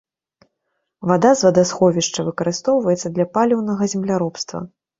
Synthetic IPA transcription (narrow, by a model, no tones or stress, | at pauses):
vad̪azvɐd̪asxɔvʲiʂt͡ʂɐvɨkɐɾɨst̪ɔwvɐjɛt̪sɐd̪lʲɐpalʲɛwnɐɣɐzʲɛmlʲaɾɔpst̪vɐ̰